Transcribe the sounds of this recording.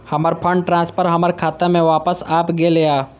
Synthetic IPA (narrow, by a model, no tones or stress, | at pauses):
hɐməɾpʰə̃ɳɖʈɾãːspʰəɾɦɐməɾkʰaːt̪emẽʋaːpəsaːpɡelejaː